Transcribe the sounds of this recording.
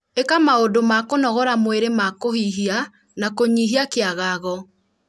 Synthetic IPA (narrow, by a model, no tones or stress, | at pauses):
ekamaodomakonɔɣɔɾamweɾemakohiɦia | nakoɲiɦiakeaɣaːɣɔ